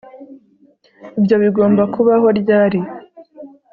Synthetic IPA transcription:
ibjo̞βiɡo̞ːmbakʰuβaɦo̞ɾɟaːɾi

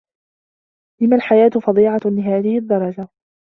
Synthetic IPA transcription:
lɪmalħajaːt̪ʊfɑd̪ˤiːʕɑlɪɦaːðɪhɪd̪ːɑɾˤɑd͡ʒa

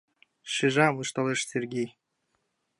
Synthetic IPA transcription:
ʃiʒɑmɯʃt̪ɑleʃsʲerɡʲej

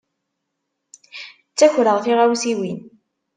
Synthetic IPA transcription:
t͡sːæçɾəʁθiʁæwsiwin

